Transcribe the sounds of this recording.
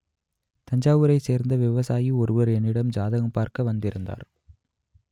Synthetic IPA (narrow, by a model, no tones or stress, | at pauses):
t̪ɐɲd͡ʒaːʋɯɾɐɪseːɾnd̪ɐʋɪʋɐsaːjiɔɾɯʋɐɾɛnːɪɽɐmd͡ʒaːðɐɣɐmpaːɾkɐʋɐnd̪ɪɾɯnd̪a̰ːɾ